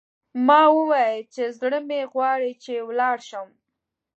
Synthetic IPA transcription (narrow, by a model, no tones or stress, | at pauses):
mɑwəwɑjət͡ʃezɽəmeɣwɑɽit͡ʃewlɑɽʃəm